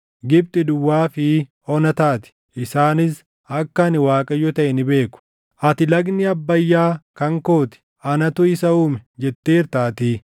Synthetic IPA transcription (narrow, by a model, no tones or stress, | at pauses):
ɡɪb̚t̪ʼɪd̪ʊwːaːfɪ | ɔnɐt̪aːt̪ɪ̥ | ɪsaːnɪs | ɐkːɐnɪwaːkʼɐjɔt̪ɐʔɛnɪbe̞ːkʊ̥ | ʔɐt̪ɪlɐɡnɪɐbːɐjːaːkɐŋko̞ːt̪ɪ̥ | ɐnɐt̪ʊɪsɐuːmɛd͡ʒɛt̪ːeːɾt̪aːt̪iː